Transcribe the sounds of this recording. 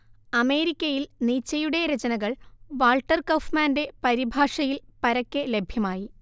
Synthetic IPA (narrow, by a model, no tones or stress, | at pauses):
ɐme̞ːɾikʲːɐjilniːt͡ɕːɐjuɽe̞ɾed͡ʑɐnɐɣɐɭʋaːlʈːɐrkɐfmaːnde̞pɐɾibʱaːʂɐjilpɐɾɐkʲːele̞bʱjɐmaːji